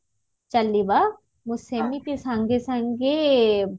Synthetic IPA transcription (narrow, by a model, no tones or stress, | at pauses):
t͡ʃɐlːiba | musemipisãŋɡesãŋɡe